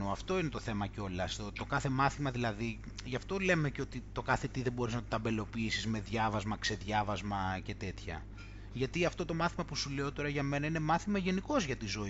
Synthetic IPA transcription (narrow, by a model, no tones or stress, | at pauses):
oɐft̪o̞ine̞t̪o̞θe̞mɐceo̞lɐst̪ot̪o̞kɐθe̞mɐθimɐðilɐði | ʝɐft̪o̞le̞me̞ceo̞t̪it̪o̞kɐθe̞t̪iðe̞bo̞ɾiznɐt̪ot̪ɐmbe̞lo̞piisizme̞ðʝɐvɐzmɐkse̞ðʝɐvɐzmɐce̞t̪e̞t̪çɐ̰ | ʝɐt̪iɐft̪o̞t̪o̞mɐθimɐpusule̞o̞t̪o̞ɾɐʝɐme̞nɐine̞mɐθimɐʝe̞niko̞zʝɐt̪izo̞